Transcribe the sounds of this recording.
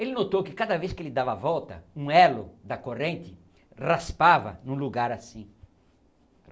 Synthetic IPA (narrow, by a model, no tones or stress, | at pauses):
elɪnot̪owkɪkad̪ɐveskɪelɪd̪avɐavɔwt̪ɐ̰ũɛlʊd̪ɐkorẽnt̪ɪ | raspavɐ̰nũluɡaɾasĩ